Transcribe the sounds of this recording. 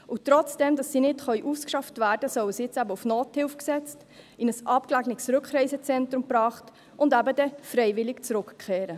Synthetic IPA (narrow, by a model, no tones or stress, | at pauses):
ʊtɾɔt͡sd̥ɛmd̥ɑsːinɪtχœɥʔuskʃɑftvæːɾdəsɔwəsɪt͡sæbəufnoːthɪlfksɛt͡st | ɪnəsʔɑp̚klæɡnɪksɾʏkχrɛɪsət͡sɛntɾʊmpɾɑːχt | ʔʊndæbədɛfɾɛɪvɪlɪkt͡sɾʊkkʰɛːɾə